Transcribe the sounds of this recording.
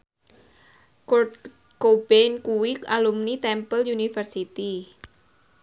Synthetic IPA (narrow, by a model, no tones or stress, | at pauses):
k̪ | kobɛnkuwikalumnit̪ɛmpəljunifərsit̪i